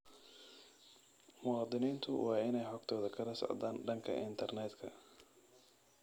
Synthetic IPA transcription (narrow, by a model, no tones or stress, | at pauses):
mʊɑːd̪ɪniːnt̪ʰʊwʔɑːɪnɛjħɔɡ̚t̪ʰɔːðɐkʰɐlɐsɔ̰ʕd̪aːnɖɐŋkʰɐ̰ʔɪnt̪ʰɐrnɛːd̪kʰɐ